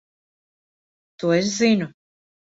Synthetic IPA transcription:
t̪uːes̬zinu

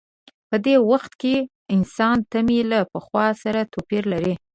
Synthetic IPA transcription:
pəd̪ewaxt̪ke | ɪnsɑnt̪amilapəxwɑsaɾat̪opiɾlaɾi

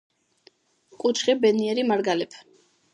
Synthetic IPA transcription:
kʼut͡ʃʰχibɛniɛɾimaɾɡalɛpʰ

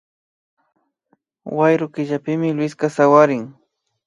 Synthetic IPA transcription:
wajɾʊkɪʒapɪmɪlwɪskasawaɾɪŋ

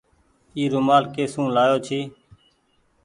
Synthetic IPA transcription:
iːɾʊmaːlkeːsũːlaːjoːt͡ʃʰiː

